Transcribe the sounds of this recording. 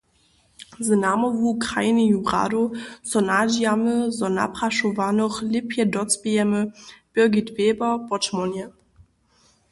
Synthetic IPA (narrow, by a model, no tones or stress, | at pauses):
zənamovuːkʁaɪnijubʁa̰ːdosɔnad͡ʒiaməzɔna̰pʁ̥aʃovanɔχlɪpʰjədɔt͡sb̥iɛməb̥ɪɐɡitv̥eːbɐb̥ɔt͡ʃmɔnjə